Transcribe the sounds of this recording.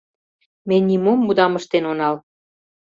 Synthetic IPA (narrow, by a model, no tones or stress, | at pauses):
menʲːimomːud̪ɑməʃt̪enonɑl